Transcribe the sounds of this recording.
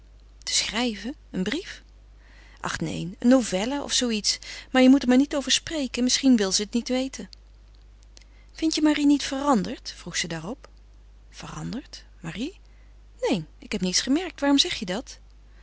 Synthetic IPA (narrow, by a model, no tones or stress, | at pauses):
tə̥sχrɛjvəənbrif | ʔɑ̰χnḛjnənːovɛlaʔɔ̰fsowitsmaːɹjəmutəɹmaːɹnitowvəɹsprejkənmɪsχinʋɪlˠzəːtnitʋejtən | fɪntjəmarinitfərɑndəɹtfruχsədaːrɔp | fərɑndəɹt | maːri | nejnɪkɦɛpnitsχəmɛɹk̚tʋaːrɔmzɛχjədɑt